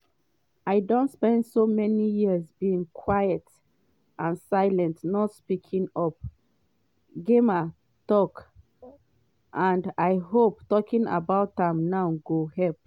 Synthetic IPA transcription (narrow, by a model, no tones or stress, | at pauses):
ajdõntspɛ̃ndsomɛnijizbiĩŋkʰwajət | ʔãnsaɪlɛ̃ntnɔtspikʰĩŋɔp̚ | ɡema | tɔk | ʔãndajɦop̚tɔkĩŋa̰baʊtãmnaʊɡohɛlp̚